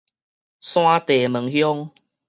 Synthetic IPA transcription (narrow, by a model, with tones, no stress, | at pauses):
sw̃ã˦t̪e˨˩mə˨˦ŋhjɔ˦ŋ